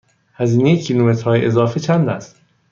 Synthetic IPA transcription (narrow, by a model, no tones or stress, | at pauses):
hæziːnejecʰilomet̪ɾhɒːjeʔezɒːfet͡ʃʰænd̪æst̪